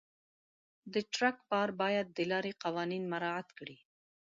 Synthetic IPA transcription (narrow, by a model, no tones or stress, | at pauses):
d̪əʈɾakpɑɾbɑjad̪̚ːəlɑɾeqawɑninmaɾɑat̪kɽi